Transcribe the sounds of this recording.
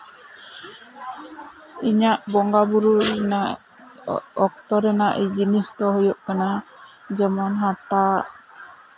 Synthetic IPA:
iɲaʔbɔŋɡabuɾuna | ɔk̚t̪ɔɾɛnaʔid͡ʒinist̪ɔɦɔjɔʔkana | d͡ʒɛmɔnɦaʈa

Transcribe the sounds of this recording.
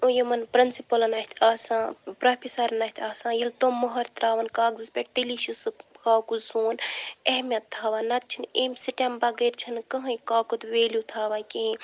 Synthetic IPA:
ojɐmɐnpɾinsipɐlɐnɐt̪ʰaːsãːpɾɐpʰisɐɾnɐt̪ʰaːsãːjilt̪oːmoɦɐɾt̪ɾaːʋɐnkaːɡzɨspʲeʈt̪iliʃisɨkaːkusuːneɦmʲjɐt̪ʰːaːʋanɐt̪̚t͡ʃʰineːmsiʈembaɡɐɾt͡ʃʰɐnkəɦɐ̃jkaːkut̪ʋeːlʲjut̪ʰaːʋaːkeĩ

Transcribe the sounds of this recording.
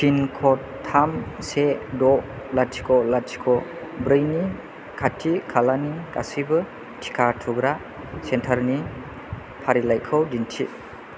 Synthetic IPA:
sʰinkʰɔtʰːamsedɔ | latʰi̥kʰɔlatʰi̥kʰɔbɾɯjni | kʰatʰːikʰalanika̰sibɯ | tʰi̥kʰatʰuɡɾa | sentʰaɾni | pʰaɾilajkʰɯwdintʰḭ

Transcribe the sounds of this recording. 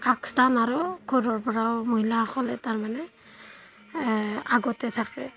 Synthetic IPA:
pʰaki̥stanaɹɔkʰɔɾɔɹpɔɹawmoɦilaxʰɔlɛtaɹmanɛ | aɡɔtɛtʰak̚ɛ̰

